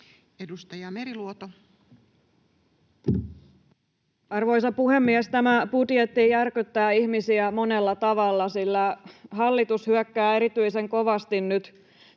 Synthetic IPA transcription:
edust̪ɑjɑmeɾiluot̪o | ɑrʋo̞jsɑpuhe̞mːiɛst̪æmæput̪jet̪ːijjærkyt̪ːæːiçmisiæmo̞ne̞lːɑt̪ɑʋɑlːɑsilːæɦɑlːit̪ushyœkːæːe̞ɾit̪yise̞ŋko̞ʋɑst̪innyt̪

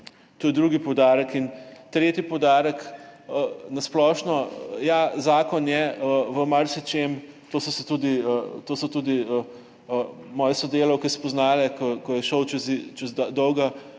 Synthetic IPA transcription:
t̪oːjɛd̪ɾuɡipɔwd̪aːɾəkint̪ɾeːt̪ipɔwd̪aːɾəkənasplɔːʃnɔjazaːkɔnjɛəʋəmaɾsit͡ʃem | t̪oːsɔsɛt̪uːd̪iət̪oːsɔt̪uːd̪iə | mɔːjɛsɔd̪eːlɐwkɛspɔznaːlɛkɔkɔjɛʃəwt͡ʃɛzt͡ʃɛzd̪ɔwɡa

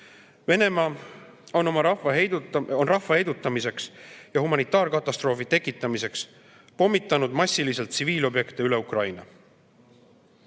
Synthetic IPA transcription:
ve̞ne̞mɑː | o̞no̞mɑɾɑɑɦejd̪onrɑhːɑhe̞jd̪̥ut̪ːˑɑmise̞ksjɑhumɑnit̪ːˑɑːɾkɑt̪ːˑɑst̪ɾro̞ːfit̪e̞kːˑit̪ːˑɑmise̞ks | po̞mːit̪ˑːɑnud̪̥mɑsʲilise̞lt̪siviːlo̞bje̞kt̪eyle̞ukrɑjnɑ̰

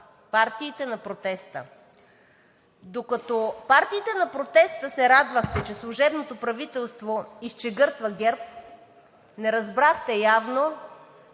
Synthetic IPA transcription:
paɾt̪iːt̪ɛnɐpɾot̪ɛst̪ə̰ | d̪okɐt̪opaɾt̪iːt̪ɛnɐpɾot̪ɛst̪əsɛɾad̪vəxt̪ɛt͡ʃɛslˠuʒɛbnot̪opɾɐvit̪ɛlˠst̪voist͡ʃɛɡɤɾt̪vɐɡɛɾp̚ | nɛɾɐzbɾaxt̪ɛjavno

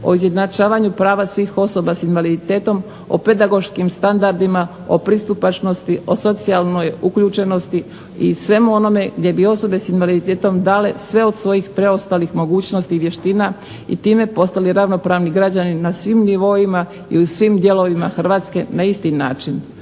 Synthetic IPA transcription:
o̞̰izje̞d̪nat͡ʃaːʋaɲupɾaːʋasʋiːxo̞so̞basinʋalid̪it̪e̞ːt̪o̞m | o̞̰pe̞d̪aɡo̞ʃkimst̪and̪aɾd̪ima | o̞̰pɾist̪upat͡ʃno̞st̪io̞so̞t̪sialno̞jukʎuːt͡ʃe̞no̞st̪i | ḭsʋe̞muo̞no̞me̞ɡd̪je̞bio̞so̞be̞sinʋalid̪it̪eːt̪o̞md̪aːle̞sʋe̞o̞d̪sʋo̞jixpɾe̞o̞st̪alixmo̞ɡuːt͡ɕno̞st̪iːʋje̞ʃt̪iːna | ḭt̪iːme̞po̞st̪aliɾaʋno̞pɾaːʋniɡɾad͡ʑaninasʋimniʋo̞ima | ḭusʋimd̪je̞lo̞ʋima̰xr̩ʋaːt̪ske̞naist̪ina̰ːt͡ʃin

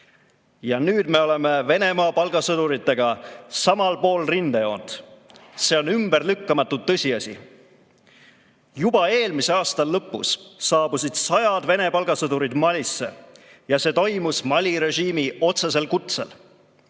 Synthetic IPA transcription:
jɑnyːd̪̥me̞o̞le̞me̞ve̞ne̞mɑːpɑlɡ̥ɑsɤd̪uɾit̪ːˑe̞ɡ̥ɑsɑmɑlpo̞ːlrind̪ejo̞ːnd̪̥se̞onymbrlykːɑmɑt̪ːˑut̪ːɤsʲiɑsʲḭ | jub̥ɑe̞ːlmise̞ɑːst̪ɑlːɤpːˑṵsːɑːb̥usid̪̥sɑjɑd̪ve̞ne̞pɑlɡ̥ɑsɤd̪uɾid̪mɑlʲisːe̞̰ | jɑse̞ːt̪o̞jmusmɑlʲiɾe̞ʒiːmio̞t̪se̞se̞lkut̪sḛl

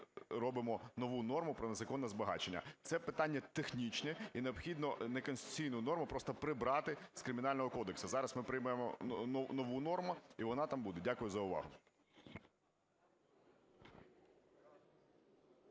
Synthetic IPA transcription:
ɾɔbɪmɔnɔʋunɔrmʊpɾɔnezɐkɔnːɛzbɐɦɑ̰t͡ʃenʲːɐ̰t̪sɛpɪt̪ɑnʲːɐt̪exnʲit͡ʃnɛineɔbxʲid̪nɔnekɔnsʲɪ̥t̪ʊ̥t͡sʲijnʊjnɔrmʊpɾɔst̪ɔpɾɪbɾɑt̪ɪskɾɪmʲɪnɑlʲnɔɦɔkɔd̪eksɐzɑɾɐsmɪpɾɪjmɛjemɔ̰nɔʋunɔrmʊiʋɔnɑt̪ɑmbud̪ɛdʲakʊjʊzɐʊʋɑ̰ɦʊ

